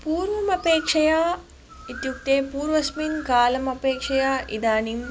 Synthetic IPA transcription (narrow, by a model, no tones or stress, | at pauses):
puːɾʋɐmɐpeːkʂɐjaː | it̪juk̚t̪eːpuːɾʋɐsminkaːlɐmɐpeːkʂɐjaːʔid̪aːnim